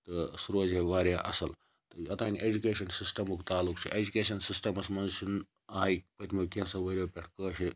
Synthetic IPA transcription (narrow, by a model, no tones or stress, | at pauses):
t̪ɨsuɾoːzeʋaːɾʲaːʔɐ̰sɐl | t̪ɨɐt̪aːnʲiʔed͡ʒukeːʃɐnsisʈɐmukt̪aːlukt͡ʃʰiʔed͡ʒukʲeːʃ̬ɐnsisʈɐmɐsmɐnzʃun | aːikpɐt̪ʰʲmɐkʲẽsɐʋɐɾʲoːpʲeʈʰkəːʃi